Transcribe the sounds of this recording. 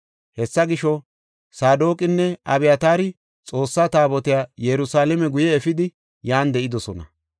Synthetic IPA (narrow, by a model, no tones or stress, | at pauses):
hɛsːɐɡɪʃːɔ | saːd̪oːkʼɪnːɛɐbɪjat̪aːɾɪ | t͡sʼo̞ːsːaːt̪aːbɔt̪ɪjaːjɛɾʊsaːlɛmɛɡʊjɛːfɪd̪ɪ | jaːnd̪ɛʔɪd̪ɔsɔnɐ̰